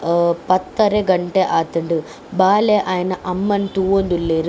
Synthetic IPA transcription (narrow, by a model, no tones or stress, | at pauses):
pɐt̪ːɐɾeɡɐɳʈeʔaːt̪ɐɳɖu | baːleʔaːjɐnɐʔɐmːɐnʈuːond̪ulːeːɾ